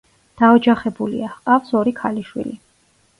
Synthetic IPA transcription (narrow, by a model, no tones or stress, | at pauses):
d̪̥aɔd͡ʒaχɛbulḭaqʼafsɔɾikʰaliʃwḭli